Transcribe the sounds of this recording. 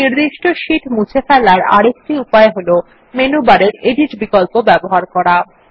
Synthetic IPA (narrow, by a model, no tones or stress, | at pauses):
niɾd̪iʃʈoʃiʈmut͡ɕʰefɛlaɾa̰ɽek̚ʈiupaeɦolo | menubaɾeɾeɖiʈbikolpobɛboɦaɾkɔɾa